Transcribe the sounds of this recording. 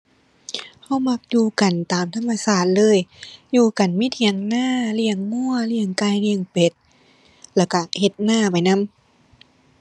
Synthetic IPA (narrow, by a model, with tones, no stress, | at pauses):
ha˧˥˩wma˧˥k̚juː˧ka˨˩nt̪aː˨˩mt̪ʰa˧mːa˧saː˧˩t̪̚lɤː˧˥˨jjuː˧ka˨˩nmi˦˧˥t̪ʰi˧˦əŋnaː˧˥˩li˧˩əŋmu˥˩ɐli˧˩əŋkaː˧jli˧əŋpe˧˩t̪̚ | lɛː˧˩wka˧˩he˧t̪̚naː˧˥˩pa˨˩jna˧˥˨m